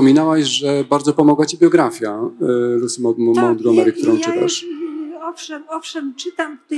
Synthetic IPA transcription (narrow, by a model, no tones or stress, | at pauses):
ɔmʲinawɛɕʐɛbaɾd̪zɔpɔmɔɡwat͡ɕibʲjɔɡɾafʲjalusmɔmmɔwd̪ɡɔmɛɾɘk̚t̪uɾɔ̃w̃t͡ʂɘt̪a̰ʂɔfʂɛmɔfʂɛmt͡ʂɘt̪am